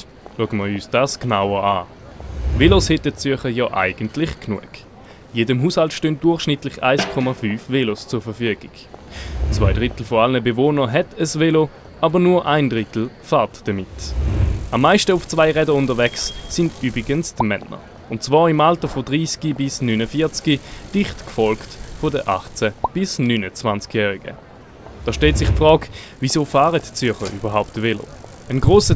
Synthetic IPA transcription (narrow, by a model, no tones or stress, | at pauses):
luəɡəməyːsd̥aːsknaʊəʁa̰ː | tveloshɛtət͡syɐχəjɔːʔa̰ɪɡ̥əntlɪχknṵək | jeːdəmɦuːshaltʃtøːnt̚d̥ʊɐχʃnɪtlɪχa̰ɪskʰɔmafyːfvelost͡suɐfəɐfyəɡ̥ɪɡ̥ | t͡svaɪdʁɪtl̩foalnəbevoːnəɦɛtʰəsvelo | ʔabənuːɐʔaɪndʁɪtl̩faːɐtd̥əmɪt | amːaɪʃtəʊft͡svaɪʁɛdəʊndɐvɛksːɪndyːbʁiɡənstmɛnə̰ | ʊnt̚t͡svaːɪmaltəfodʁiːsɡ̥ibɪsnynəfiːɐt͡skid̥ɪχtkfɔlktfɔdəʔa̰χt͡sɛb̥ɪsnyːnət͡svant͡skjɛːʁiɡə̰ | d̥ɑːʃtɛltsɪχpfʁɔːkvisoːfaːʁətt͡sʏɐχəʁyːbɐɦaʊptvelo̰ | ənɡʁoːsə